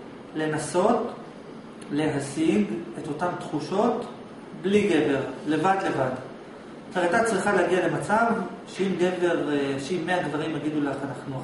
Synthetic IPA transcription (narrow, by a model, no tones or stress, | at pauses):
le̞naso̞t | le̞ɦaziɡe̞to̞tamt̪χuʃo̞t | bliɡe̞ve̞ʁle̞vadle̞vad | eatat͡sʁiχaleːɡiale̞mat͡sav | ʃeimɡe̞ve̞ʁʃeimːeadvaʁimaɡidulaχanaχnu